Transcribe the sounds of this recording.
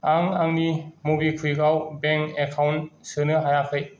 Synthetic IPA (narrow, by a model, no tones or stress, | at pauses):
aŋaŋnimubikʰɯjɡawbɛŋkekʰawnsɯnɯɦaɾakʰɯj